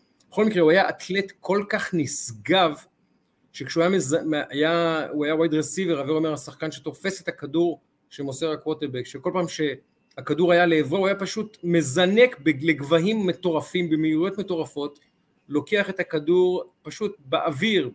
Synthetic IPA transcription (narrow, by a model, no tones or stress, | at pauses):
beχo̞lmikʁe̞uajaʔat̪le̞t̪kʰo̞lkaχnisɡav | ʃe̞kʃeuajamezajauajawajdʁesiveʁaveomeʁasaχkanʃet̪o̞fe̞set̪akaduʁ | ʃemoseʁakwoteʁbekʃeko̞lpaːmʃe | hakaduʁajaleːveuajapaʃutme̞zane̞kbeleɡvaɦimːe̞to̞ʁafimbemeiʁjo̞tme̞to̞ʁafo̞t | lo̞keaχe̞thakaduʁpaʃut̚beʔaviʁ